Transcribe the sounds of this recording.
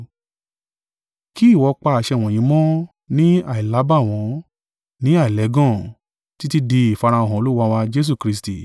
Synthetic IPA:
ki˦i˦˨wɔ˧k͡pa˧a˨ʃɛ˧˨w̃ɔ̃˨j̃ĩ˨˧˦mɔ̃˦ | nĩ˦a˦˨i˨la˨˦ba˦˨w̃ɔ̃˧ | nĩ˦a˦˨i˨lɛ˨˦ɡɔ̃˦˨ | ti˦ti˦di˧i˦˨fa˧ɾ̃a˧o˨ɦɔ̃˨˧lu˦wa˧wa˧d͡ʒe˦s̬u˦˨kɾi˧sti˨

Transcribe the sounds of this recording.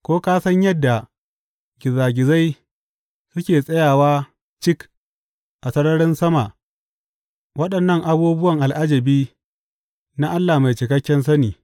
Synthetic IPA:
kʷoː˦kaː˦sɐ˦ɲjɐ˦dːa˨ | ɡ̥ʲɪ˨zaː˨ɡʲɪ˨za˦j | sʊ˦kʲeː˨sʼɐ˦jaː˨waː˦ | t͡ʃɪ˦k | ʔa˨sɐ˦ɽɐ˦ɽɪ˦nsɐ˦ma˨ʔ | wɐ˦ɗɐ˨nːɐ˦˨ŋʔa˨buː˦bʊ˦wɐ˨ŋʔa˨lʔa˦d͡ʒɐ˨biː˦ | na˦ʔa˦lːaː˨ma˨jt͡ʃɪ˨kɐ˦kʲːɛ˦nsɐ˦niː˨

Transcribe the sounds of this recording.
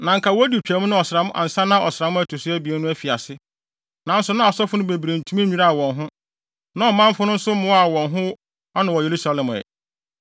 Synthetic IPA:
nã˨ŋ̩˨˦kʰa˨wɔ˦di˨t͡ɕᶣæ˨˦mʊ̃˦nʊ̃˦ɔ˨sɪɾa˨˦mʊ̃˦ʔa̰˨n̩˨sã˦nã˦ʔɔ˨sɪ˨ɾa˨mʊ̃˦æ˦˨tʰo˨sʊ˦æ˦bi˨ɛ˦nʊ̃˦æ˦fi˨a˨sɪ˦ | nã˨˦n̩˦sʊ˦nã˦˨sɔ˦fʊ˦nʊ̃˦be˨bɾe˨n̩˨tʰu˦mĩ˦ɲᶣũ˦ɾa˦a˨wɔ̃˨nɦʊ̃˦ | nã˦ɔ˨mã˦m̩˦fʊ˦nʊ̃˦n̩˦sʊ˦mʊ̃˦a˨wɔ̃˨nɦʊ̃˦ | a˦nã˨wɔ˨je˨ɾu˦sa˨lɛ̃˨m˨ɛ̰˨

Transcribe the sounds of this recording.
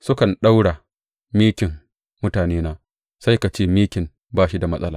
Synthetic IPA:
sʊ˦kɐ˨nɗa˦wɽa˨ | miː˦kʲɪ˨m | mʊ˦taː˨neː˦naː˦ | sa˦jka˨t͡ʃeː˦miː˦kʲɪ˨m | baː˦˨ʃi˦da˨mɐ˦sʼɐ˦laː˨

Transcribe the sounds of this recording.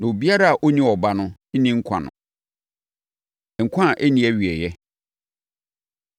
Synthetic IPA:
nã˨o˨bi˦a˦ɾa˦a˨ʔo˦nĩ˦ɔ˨ba˦nʊ̃˦nĩ˦ŋ̩˦kʷʰã̰˨nʊ̰̃˨ | ŋ̩˨kʷʰã˦˨ʔɛ˦nĩ˦ɛ˦ɥi˨ɛ˨jɛ˦

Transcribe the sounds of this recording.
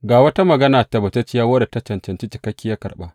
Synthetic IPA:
ɡaː˨wɐ˦ta˦mɐ˨ɡɐ˦naː˨ta˨bɐ˨tɐ˦t͡ʃɪ˦jaː˦wɐː˦da˨tɐ˦t͡ʃɐ˨nt͡ʃɐ˨nt͡ʃi˦t͡ʃɪ˨kɐ˦kʲːɪ˦ja˦kɐ̰˨rɓa˦ʔ

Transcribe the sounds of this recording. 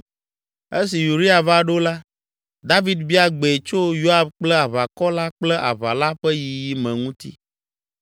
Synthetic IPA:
e˦s̬i˨ju˨ɾi˦a˨va˦ɖo˦la˦ | d̪a˦vi˨d̪bi˦a˨ɡ͡be˨t͡ʃo˦jo˦a˨bk͡plɛ˦a˨βa˨kɔ˦la˦k͡plɛ˦ʔa̰˨βa˨la˦ɸɛ˦ji˨ji˦mɛ̃˨ŋũ˦t̪ḭ˦

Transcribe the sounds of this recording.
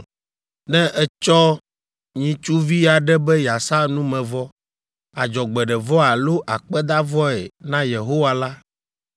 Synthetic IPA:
nɛ̃˦ʔɛ˦t͡ʃɔ˦ | ɲĩ˦t͡ʃu˦vi˦a˨ɖɛ˦bɛ˦ja˨sa˦nũ˦mɛ̃˨vɔ˦ | a˨d͡ʒɔ˨ɡ͡bɛ˨ɖɛ˨vɔ˦a˨lo˦ʔa˨k͡pɛ˦d̪a˦vɔ˦ɛ˨nã˦je˨ɦo˦wa˦la˦

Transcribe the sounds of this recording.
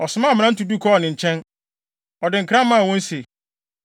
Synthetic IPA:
ɔ˨sʊ˨mã˦˨mɪ̃˨nã˦n̩˦tu˨du˦kʰɔ˦˨nɪ̃˨ɲ̩˨t͡ɕʰɛ̃˦n | ɔ˨dɪ̃˨ŋ̩˨kʰɾã˦m˦mã˦a˨wɔ̃˦n˦se˨

